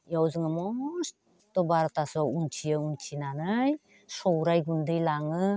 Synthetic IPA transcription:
jawzɯŋɯmɔs | tɔbaɾtasɔunt͡ʃʰiɯunt͡ʃʰinanɯj | sɔwɾajɡundɯjlaŋɯ

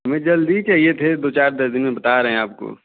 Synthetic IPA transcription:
ɦɐmẽd͡ʒɐld̪it͡ʃaːɦiet̪ʰed̪oːt͡ʃaːɾd̪ɐɾd̪ɪnmẽbɐt̪aːɾɐɦɛ̃aːp̚ko̰ː

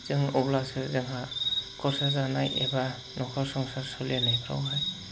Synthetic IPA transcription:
zɯŋɔblasɯɾzɯŋɦakʰɔɾsazanajḛba | nɔkʰɔsɔŋsaɾsɔlianajkʰɾa̰wɦaj

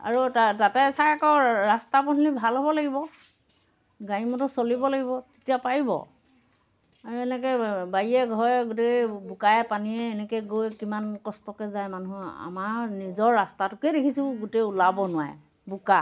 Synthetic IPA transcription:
a̰ɹutatatɛsajakɔɹastapɔnlibʱalɦɔbɔlaɡibɔ | ɡaɹimɔtɔsolibɔlaɡibɔte̥tijapaɹibɔ̰ | aɹuɛnɛkɛbajiɛɡʱɔɹɡʊtebukajɛpaniɛːnɛkɛɡojkimankɔstɔkɛzajmanuɦa̰maɹnizɔɹːastatʊkɛdekʰisʊ̃ɡuteulabɔnʊwa̰j | buka

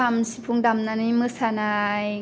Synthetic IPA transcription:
amsi̥pʰuŋdamnanimɯːsanaːj

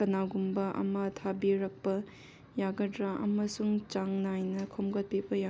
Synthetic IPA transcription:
kɐnaɡumbɐʔɐ̰mɐtʰabiɾɐk̚pɐ | jaɡɐdɾaʔɐ̰mɐsuŋt͡ʃaŋnajnɐkʰomɡɐt̚pibɐja

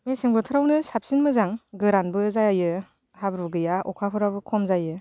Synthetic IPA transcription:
mesɯŋbɯtʰɯɾawnɯsap̚sinmɯzaŋɡɯɾanbɯzajajɯ | habɾuɡɯjaʔɔkʰapʰɯɾabɯkʰɔmzajɯ

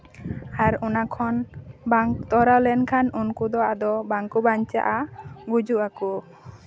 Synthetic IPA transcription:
aɾɔnakʰɔnbaŋt̪ɔɾalɛnkʰanunkud̪ɔad̪ɔbaŋkubaɲt͡ʃa̰ʔaɡud͡ʒuʔaku

